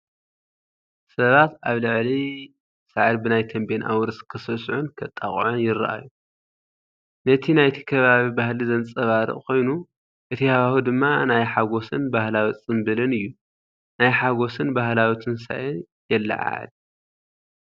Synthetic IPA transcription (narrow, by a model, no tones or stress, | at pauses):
sɐβat̪aβlɨʕli | saʕad̪bɨnajt̪ʰɐmbenʔa̰wɾɨskʰɨsɐsʕunkʰɐt̪ʼːaχʼʕonjɪɾ̰ʔa̰ju | nɐt̪ʰinajt̪ʰi̥kʰɐβaβibahlizɐnt͡sʼɐβaɾɨ̰ʔʼkʰo̞jnu | ʔɨt̪ʰihaahud̪ɨmːanajħaɡo̞sɨnbahlawit͡sʼɨmbɨlɨnɨjːu | najħaɡo̞sɨnbahlawit̪ʰɨnsa̰ʔɨn | jɛlːa̰ʕa̰l